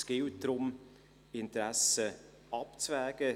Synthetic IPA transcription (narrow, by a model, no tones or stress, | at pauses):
sɡ̥ɪwt̚d̥ɾʊm | ɪnt̪ɾæsə | ʔɑpt͡svɛːɡ̥ə